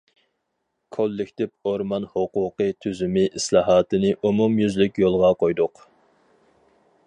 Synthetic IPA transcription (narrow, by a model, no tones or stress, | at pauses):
kʰolːɪkʲt̪ɪp̚oɾmɑnhoquːqɨt̪ʰyzymɪʔislˠɑːɦɑːt̪ɨnɪʔumumjyzlykʲjolˠʁɑqojd̪ʊq